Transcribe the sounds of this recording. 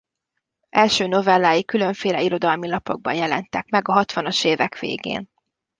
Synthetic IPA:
ʔɛlʃøːno̞vɛlːaːjikylø̞ɱfeːlɛiɾo̞d̪ɒlmilɒpo̞ɡ̚bɒ̰njɛlɛnt̪ɛkmɛɡɒɦɒt̪ʋɒnoʃeːvɛkʋḛːɡḛːn

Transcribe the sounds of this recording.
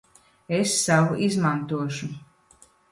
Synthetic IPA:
esːavuʔizmant̪uɔʃu

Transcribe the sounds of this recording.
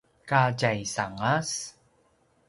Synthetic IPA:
kaɟajsaŋas

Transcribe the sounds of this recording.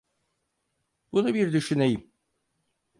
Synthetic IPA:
bunubiɾd̪yʃynejim

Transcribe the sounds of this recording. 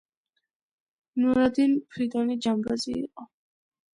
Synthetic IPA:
nuɾad̪inpʰɾid̪ɔnid͡ʒambaziːqʼɔ

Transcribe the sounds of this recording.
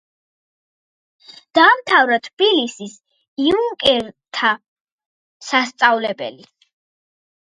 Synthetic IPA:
d̪̥aːmt̪ʰavɾat̪ʰb̥ilisis | iuŋkʼɛɾt̪ʰa | sast̪sʼavlɛbɛ̰li

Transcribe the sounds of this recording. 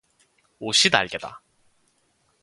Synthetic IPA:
oɕʰida̰ɭɡeda̰

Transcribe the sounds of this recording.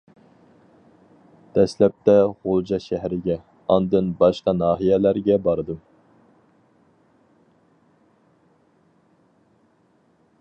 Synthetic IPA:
d̪̥ɛslɛp̚t̪ɛʁolˠd͡ʒɑʃɛɦɾɪɡʲɛ | ɑnd̪ɨnbɑʃqɑnɑːɦijɛlæɾɡʲɛbɑɾɨd̪ɨm

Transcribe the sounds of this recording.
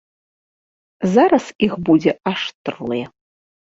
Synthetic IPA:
zaɾɐsixbud͡zʲɛʔaʂt̪rlˠɨjɛ

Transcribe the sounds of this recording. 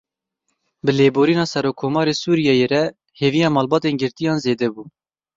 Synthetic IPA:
bɨleːboːɾiːnɑːsɛɾoːkʰːoːmɑːɾeːsuːɾijɛjeɾɛ | heːvijɑːmɑːlbɑːt̪eːnɡɨɾt̪ijɑːnzeːd̪ɛbuː

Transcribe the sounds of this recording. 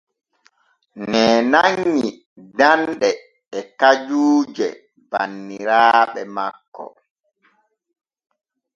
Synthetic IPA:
nɛːnaɲːi | danɗɛː | kad͡ʒuːd͡ʒɛ̰ | banːiɾaːɓɛmakːɔ̰

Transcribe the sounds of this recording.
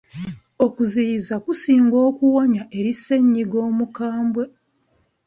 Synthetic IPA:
o̞kuzijizakusiːŋɡo̞ːkuwaɲaʔe̞ɾise̞ɲːiɡo̞ːmukaːmbwe̞

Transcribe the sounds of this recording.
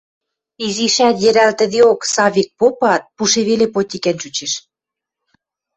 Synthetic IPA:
iziʃæt̪jɘ̆ɾælt̪ə̆d̪eoksɑβʲik̚popɑt̪̚puʃeβelepot̪ʲikænt͡ɕut͡ɕeʃ

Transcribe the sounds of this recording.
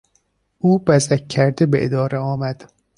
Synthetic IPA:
ʔuːbæzækʲʰːæɾd̪ebḛʔed̪ɒːɾeɒːmæd̪̥

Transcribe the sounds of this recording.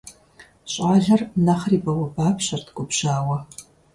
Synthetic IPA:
ɕʼaːɮɐrnɐχriːbɐwɐbaːpɕɐrtʰkʷʼʊpʒaːwɐ

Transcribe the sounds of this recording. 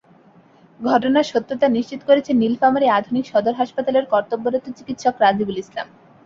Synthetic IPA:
ɡʱɔʈonaɾʃot̪ːɾot̪aniʃt͡ɕit̪o̥koɾet͡ɕʰenilfamaɾiad̪ʱunikʃɔd̪oɾɦaʃpat̪aleɾkɔɾt̪obːoɾot̪ot͡ɕikit̪ʃokɾad͡ʑibulisla̰m

